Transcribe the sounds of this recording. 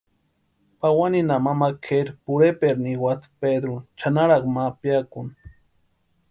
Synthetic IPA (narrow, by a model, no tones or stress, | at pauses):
pawaninamamakʰeɾpuɾepeɾniwat̪ped̪ɾut͡ʃanaɾakmapjakun